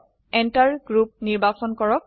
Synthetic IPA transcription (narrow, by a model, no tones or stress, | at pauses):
ɛntaɹɡɹup̚niɹbasɔnkɔɹɔk̚